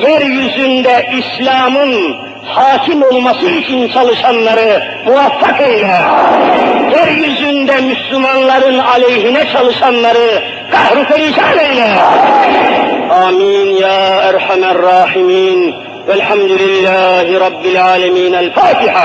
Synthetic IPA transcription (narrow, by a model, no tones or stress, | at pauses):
jeɾjyzynd̪æʔislɑːmɯn | sɑːkʰimolˠmɑsɯit͡ʃʰint͡ʃʰɑlˠɯʃɑnlˠɑɾɯ | muwafːɑqejlæ | jeɾjyzynd̪æmyslymɑnlˠɑɾɯnɑlejɦinæt͡ʃʰɑlˠɯʃɑnlˠɑɾɯ | kɑhɾupeɾiʃɑnejlæ | aːmiːnjaːaɾˤħamarˤːɑːħimiːn | wælħamd̪ulilːaːhiɾˤɑbːilʕaːlæmiːnælfaːt̪ʰiħa